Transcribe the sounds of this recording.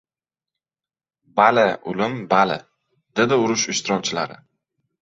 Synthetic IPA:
balɪʊlɪmbalɪ̰ | d̪ed̪ɪʊɾʊʃɪʃt̪ɪɾɒk̚ʲt͡ʃʰɪla̰ɾɪ̰

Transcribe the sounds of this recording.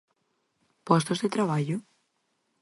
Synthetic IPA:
pɔst̪ozðet̪ɾaβ̞aʎo

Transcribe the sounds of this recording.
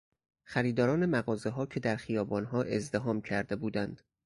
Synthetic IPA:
xæɾiːd̪ɒːɾɒːne̞mæɣɒːze̞ɦɒːcʰe̞d̪æɾxijɒːbɒːnɦɒːʔe̞zd̪e̞ɦɒːmcʰæɾd̪e̞buːd̪ænd̪̥

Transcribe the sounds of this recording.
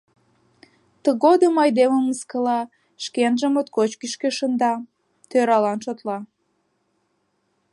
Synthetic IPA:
t̪əɣod̪əmɑjd̪eməməskəlɑ | ʃkenʒəmot̪̚kot͡ɕkiʃkeʃənd̪ɑ | t̪øɾɑlɑnʃot̪lɑ

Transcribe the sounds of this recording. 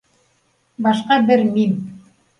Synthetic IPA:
bɑʃqɑbɘɾmin

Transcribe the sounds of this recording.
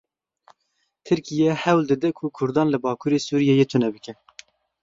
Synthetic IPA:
t̪ʰɨɾkijɛhɛwld̪ɨd̪ɛkʰʊkʰʊɾd̪ɑːnlɨbɑːkʰuːɾesuːɾijɛjeːt̪ʰʊnɛbɨkɛ

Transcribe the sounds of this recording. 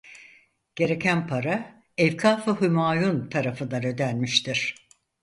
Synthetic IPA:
ɟ̥e̞ɾe̞cʰænpʰaɾa | ɛvkʰaːfɯɦymaːjunt̪ʰaɾafɯnd̪anø̞d̪ænmiʃt̪ʰiɾ̝̥

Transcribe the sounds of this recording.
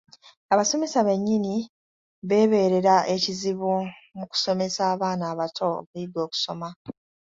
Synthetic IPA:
aβaso̞me̞saβe̞ɲːini | βe̞ːβe̞ːɾe̞ɾaʔe̞ciziβumuku̥so̞me̞saːβaːnaːβatʰo̞̰βuidwo̞ːku̥so̞ma

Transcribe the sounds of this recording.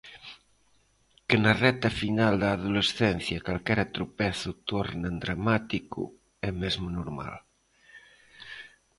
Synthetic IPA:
kenarɛt̪afinald̪aːðulesθɛn̟θjakalkɛɾat̪ɾupɛθut̪oɾnend̪ɾamat̪ikṵ | ɛmezmunoɾma̰l

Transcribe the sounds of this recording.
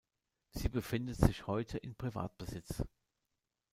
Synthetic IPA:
z̥iːbəfɪndətz̥ɪçhɔʏtʰəʔɪnpʁ̥iva̰ːt̚b̥əzɪt͡s

